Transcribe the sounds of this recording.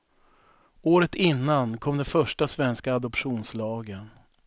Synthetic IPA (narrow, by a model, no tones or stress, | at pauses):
oːɾət̪ɪnːankʰɔmd̪ɛnfœʂʈasvɛnskaːd̪ɔpɧuːnslɑːɡən